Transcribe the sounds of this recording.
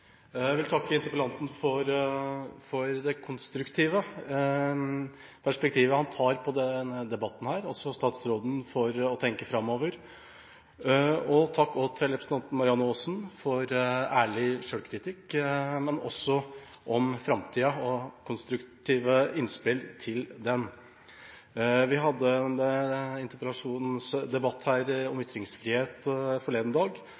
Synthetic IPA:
jæɪʋɪlt̪ʰɑkːəɪnt̪ɪpəlɑnt̪n̩fɔɾ | fɔɾd̪ɛkʰʊnst̪ɾʉkt̪ʰiːʋə | pʰæʂpɛk̚t̪ʰiːʋəhɑnt̪ʰɑːɾpʰɔd̪ɛnːəd̪ɛbɑt̪ːn̩hæːɾɔlsɔst̪ɑːt̪sɾoːd̪n̩fɔɾɔt̪ʰɛŋkəfɾɑmːoːʋəɾ | ɔt̪ʰɑkːɔːt̪ʰɪlɾɛpʰɾst̪ɑnt̪n̩mɑɾɪɑnːʊoːsnfɔɾæːɭɪʂøːlkʰɾɪt̪ʰɪkːmɛnɔ̰sːɔʔɔmfɾɑmt̪ʰiːɑɔkʰʊnst̪ɾʉkt̪ʰiːʋəɪnspɪlt̪ʰɪld̪ɛn | ʋɪɦɑd̪ːənɪnt̪əpəlɑʂuːnn̩sd̪ɛbɑt̪ːhæːɾɔmʏt̪ɾɪŋsfɾiːheːt̪fɔɭeːd̪n̩d̪ɑːɡ

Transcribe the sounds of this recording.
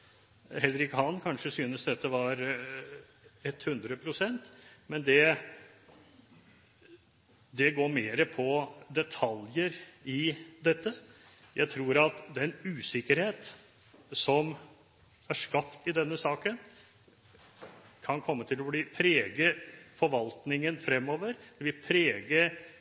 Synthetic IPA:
hɛlɾɪkhɑnːkʰɑnʂəsyːnəsd̪ɛt̪ːəʋɑɾ | ɛt̪ːhʉnd̪ɾəpʰɾʊsɛnt̪mɛnd̪ɛ | d̪ɛɡoːɾmeːɾəpʰɔd̪ɛt̪ʰɑljəɾɪd̪ɛt̪ːə | jʔæɪt̪ʰɾuːɾɑt̪d̪ɛnʉːsɪkːəɾheːt̪ | sɔm | æʂkɑpt̪ɪd̪ɛnːəsɑːkən | kʰɑnkʰɔmːət̪ʰɪlɔbliːpʰɾeːɡəfɔɾʋɑlt̪nɪŋənfɾɛmːoːʋəɾd̪̥ɛʋɪlpʰɾeːɡə

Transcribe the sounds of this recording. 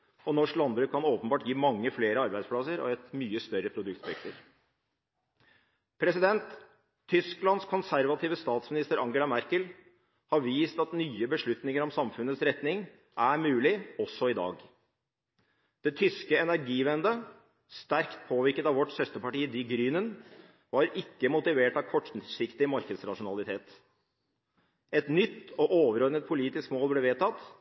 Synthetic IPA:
ɔnɔʂklɑnbɾʉːkʰːɑnoːpənbɑːʈjiːmɑŋːəfleːɾəɑɾbæɪspʰlɑsəɾɔ̰ɛt̪myːəst̪œɾəpʰɾʊd̪ʉkt̪bɛkt̪əɾ | pʰɾɛsɪd̪ɛnt̪ʰː | ʏsklɑnskʰɔnsæɾʋɑt̪ʰiːʋəst̪ɑːt̪smɪnɪst̪əɾʔɑŋɡəlɑmæɾkəl | hɑɾʋiːst̪ɑt̪nyːəbəʂɭʉt̪nɪŋəɾɔmsɑmfʉnət̪sɾɛt̪nɪŋ | ʔæɾmʉːlɪɔsːɔɪd̪ɑ̰ːɡ | d̪̥ɛt̪ʰʏskəɛnæɾɡiːʋɛnd̪ə | st̪æɾkt̪̚pʰoːʋɪɾkət̪ɑʋɔʈsœst̪əpɑʈiːd̪iɡɾyːnən | ʋɑɾɪkːəmʊt̪ɪʋeːʈɑʋkʰɔʈːsɪkt̪ɪmɑɾkəd̪sɾɑʂʊnɑlɪt̪ʰeːt̪ | ɛt̪nʏt̪ːɔʔoːʋəɾɔɾnət̪̚pʰʊliːt̪ɪskmoːlblɛːʋeːt̪ʰɑt̪ː

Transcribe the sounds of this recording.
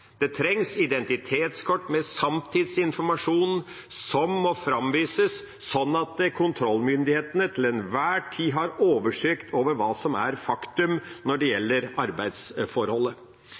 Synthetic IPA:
d̪̥ɛt̪ʰɾɛŋsɪd̪ɛnt̪ɪt̪ʰeːt̪skʰɔʈːmɛsɑmt̪ʰɪd̪sɪnfɔɾmɑʂuːn | sɔmːɔfɾɑmʋiːsəsː | ɔnːɑt̪̚d̪ɛkʰʊnt̪ʰɾɔlːmʏnd̪ɪheːt̪ənət̪ʰɪlɛnʋæːʈʰiːɦɑɾoːʋəʂøːkt̪ʰoːʋəɾʋɑːsɔmæ̰ɾfɑkt̪ʉmnɔɖɛjɛlːəɾɑɾbæɪd̪sfɔɾhɔlːə

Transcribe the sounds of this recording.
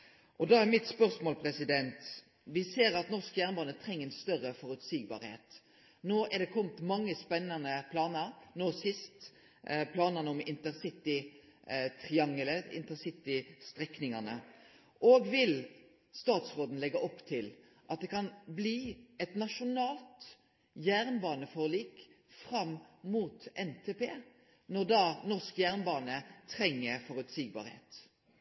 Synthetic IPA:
ʔɔd̪ɑːæʁmɪt̪spœʁsmoːlpʰɾɛsɪd̪ɛnt̪ | ʋɪseːɾɑt̪nɔʁskəjæʁnbɑːnət̪ʰɾɛŋːənst̪œʁəfɔɾʉt̪siːɡbɑ̰ːɾhḛːt̪ | noːʔɛʁd̪ɛkʰɔmt̪mɑŋːəspɛnːɑnəpʰlɑːnəɾnoːsɪst̪ | pʰlɑːnɑnəɔmɪnt̪əʁsɪt̪ːɪ | t̪ʰɾɪɑŋələɪ̰nt̪əsɪt̪ɪst̪ɾɛknɪŋɑnə̰ | ʔoːɡʋɪl | st̪ɑːt̪sʁoːd̪n̩lɛɡːɑʔɔpːt̪ʰɪl | ʔɑt̪̚d̪ɛkʰɑnbliːɛt̪nɑʂʊnɑːlt̪ | jæʁnbɑːnəfoːʁliːk | fɾɑmːmuːt̪ɛnt̪ʰeːpeː | nɔʁd̪ɑnɔʁskjæʁnbɑːnət̪ʰɾɛŋːəɾfɔʁʉt̪siːɡbɑ̰ːɾhḛːt̪

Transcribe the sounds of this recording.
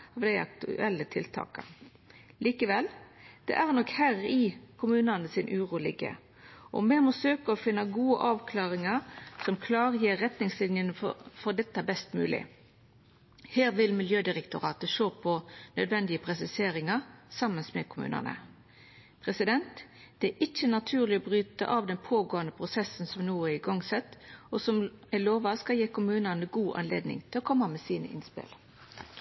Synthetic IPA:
ɑʋd̪æɪʔɑ̰kt̪ʉ̰ʔɛlːət̪ʰɪlt̪ʰɑ̰ːkə̰ | liːkəʋɛld̪̥ɛ̰ʔæʁnɔkhæːʁɪkʰʊmʉːnɑnəsɪnʔʉːʁuːlɪ̰ɡə̰ | ʔɔ̰mɛmɔsøːkəɔfɪnːɑɡuːə̰ʔɑːʋkʰlɑːʁɪŋɑsɔmkʰlɑːʁəjiːʁːɛt̪nɪŋslɪnjənfɔʁd̪ɛt̪ːɑbɛst̪mʉ̰ːlɪ̰ | heːʁʋɪlmɪljøːd̪ɪɾɛkt̪ʊʁɑ̰ːt̪əʃoːpʰɔnœd̪ʋɛnd̪ɪəpʰʁɛsɪseːɾɪŋɑʁsɑmːənsmɛ̰kʰʊmʉ̰ːnə̰nə̰ | pʰʁɛsɪd̪ɛnt̪ | d̪̥ɛæʔɪçːənɑt̪ʰʉːʁlɪɔbʁyːt̪ə̰ʔɑʋd̪ɛnpʰoːɡoːənd̪əpʰʁʊsɛsən̩sɔmnuːæɪɡɑŋsɛt̪ːɔsɔmæɪloːʋɑskɑljeːkʰʊmʉːnənəɡuːʔɑ̰nlḛːd̪nɪ̰ŋt̪ʰɪlɔkʰɔmːɑmɛsiːnə̰ʔɪ̰nspɪ̰l

